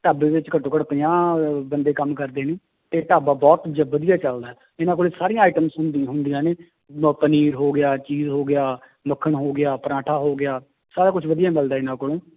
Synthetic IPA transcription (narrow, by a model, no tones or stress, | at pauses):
ʈaːbeːʋɪt͡ʃkəʈːõːkəɽpijãːbənd̪eːkəmkəɾd̪eːniː | t̪eːʈaːbaːbɔːt̪d͡ʒəʋəd̪ijaːt͡ʃəld̪aːɦɛː | ɪnãːkoːlesaːɾɪijãːaːiːʈəmsɦʊnd̪iɦʊnd̪ijãːneː | pəniːɾɦoːɡɪjaːt͡ʃiːzɦoːɡɪjaː | məkʰːəɳɦoːɡɪjaːpəɾãːʈʰaːɦoːɡɪjaː | saːɾaːkʊt͡ʃʰʋəd̪ijãːməld̪aːɪnãːkoːlõː